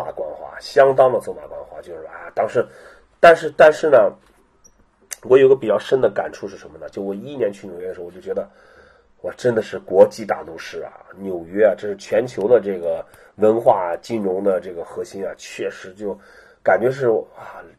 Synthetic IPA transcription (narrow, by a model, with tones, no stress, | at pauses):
a̰˨˩kwa˥nxwa̰˥˩ɕjɑ˥ŋt̪ɑ˥ŋd̪ə˨t͡swma̰˨˩kwa˥nxwa̰˥˩t͡ɕjo˥˧ʊʂɻ̩˥˧˩a˥˧˩t̪ɑ˥ŋʂɻ̩˥˧ | t̪a˥˧nʂɻ̩˥˧t̪a˥˧nʂɻ̩˥˩nə˩ | wɔ˧˥jʊ˧˥ɡə˧pi˨˩t͡ɕɑ˥˩ʊʂə˥nd̪ə˨ka̰˨˩nʈ͡ʂʰu˥˧ʂɻ̩˥˩ʂə˧˥nmə˧nə˩t͡ɕjo˥˩˥wɔ˨˩i˥˩njɛ˧˥nt͡ɕʰy˥˩njʊjɛ˥ə˧ʂ̩˧˥˧jt͡ɕɥʲɛ˧˥d̪ə˧ | wɔ˨˩ʈ͡ʂə˥nd̪ə˨ʂɻ̩˥˩kwɔ˧˥t͡ɕi˧˥˩t̪a̰˨˩t̪u˥˧ʂɻ̩˥˩ɐ̰˩njo˨˩ʊɥɛ˥a˧ʈ͡ʂɤ˥˧ʂɻ̩˥˩t͡ɕʰɥɛ˧˥nt͡ɕʰjo˧˥ʊd̪ə˧ʈ͡ʂɤ˥˩ɡə˩ | wə˧˥nxwa˥˩˨t͡ɕi˥˩nɻʊ˧˥ŋd̪ə˧ʈ͡ʂɤ˥˩ɡə˩xɤ˧˥ɕi˥nɐ˨t͡ɕʰɥɛ˥˩ʂɻ̩˧˥t͡ɕjo˥˩ʊ | ka˨˩nt͡ɕɥɛ˧˥ʂ̬ɻ̩˥˩a˥˧˩